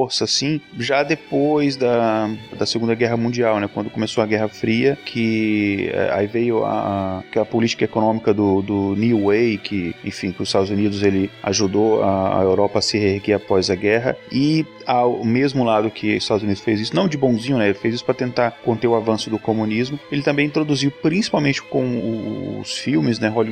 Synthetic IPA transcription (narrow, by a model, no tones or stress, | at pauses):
oɾsɐsĩʒad̪epojzd̪ɐd̪ɐseɡũd̪ɐɡɛɦɐmũnd͡ʒiawnɛkwɐ̃nd̪ʊkomesoɐɡɛɦɐfɾiɐkʰɪ | ɛ̰a̰ivejʊa̰aakɛlɐpolit͡ʃi̥kɐekonõmikɐd̪ʊd̪ʊnuwejkʰɪḛ̃fĩkɪʊzɪst̪ad̪ʊzunid̪ʊzelɪa̰ʒud̪oaa̰ewɾɔpɐːsɪheɾɡiapɔzɐɡɛɦɐ̰ɪ | awmezmʊlad̪ʊkʰɪɪst̪ad̪ʊzunid̪ʊsfejzisʊnɐ̃w̃d͡ʒɪbõw̃zĩɲʊnɛelɪfejzisʊ̥pɾɐt̪ẽnt̪aɾkõnt̪eɾʊavɐ̃sʊd̪ʊkomũnizmʊelɪt̪ɐ̃mbẽj̪̃t̪ɾod̪uziwpɾĩsi̥pawmẽnt͡ʃɪ̥kõw̃ʊ̰ːsfiwmɪznɛɦol